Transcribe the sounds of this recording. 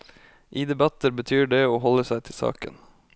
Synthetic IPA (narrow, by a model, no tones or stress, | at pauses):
ʔiːd̪ɛbɑt̪əɾbət̪ʰyːɖeːoːɦɔləsæɪt̪ʰɪlsɑ̰ːkə̰n